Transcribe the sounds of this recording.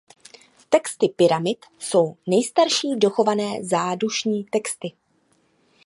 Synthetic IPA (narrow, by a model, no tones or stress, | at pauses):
t̪ɛkst̪ɪpɪɾamɪt̪so̞wnɛjst̪aɾʃiːdo̞xo̞vanɛːzaːduʃɲiːt̪ɛkst̪ɪ